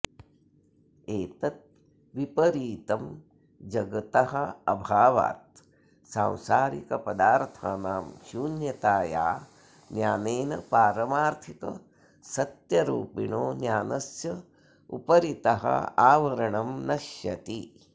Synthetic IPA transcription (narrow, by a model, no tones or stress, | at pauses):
eːt̪ɐt̪̚ | ʋipɐɾiːt̪ɐm | d͡ʒɐɡɐt̪ɐhɐ̆ɐbʱaːʋa̰ːt̪̚ | sãːw̃saːɾikɐpɐd̪aːɾt̪ʰaːnaːmʃuːnjɐt̪aːja̰ː | njaːneːnɐpaːɾɐmaːɾt̪ʰikɐ̰ | sɐt̪jɐɾuːpiɳoːnjaːnɐsjɐ | ṵpɐɾit̪ɐɦɐ̰aːʋɐɾɐɳɐmnɐʃjɐt̪i